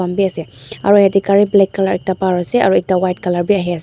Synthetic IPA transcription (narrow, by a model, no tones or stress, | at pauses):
ambiasɛaɹuhɛtikaɹiblɛkːalaɹɛk̚tapaɹasɛaɹuɛk̚tawajt̚kalaɹbiaɦias